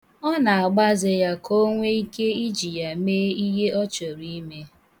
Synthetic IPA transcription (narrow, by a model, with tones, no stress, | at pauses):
ɔ˦na˨a˨ɡ͡ba˦zɪ˨ja˦kʰo˦ŋʷe˦i˦ke˦i˦d͡ʒi˨ja˨meː˦i˦ɦe˦ɔ˦t͡ʃo˨ɾi˦me˦